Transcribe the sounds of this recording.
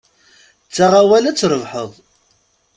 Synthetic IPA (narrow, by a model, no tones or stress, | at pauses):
t͡sːaʁawælæt͡sːɾˤəvħəðˤ